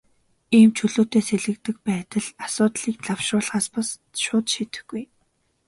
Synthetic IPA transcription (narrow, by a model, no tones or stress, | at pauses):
iːmt͡ɕʰɵɮoːt̪eːseɮɘ̆k̚t̪ɘ̆k̚pæːt̪ə̆ɮasʊːt̪ɮiːk̚ɮawʃrʊːɮʁaːspas | ʃʊːt̪ʃiːt̪ɘ̆xɡuj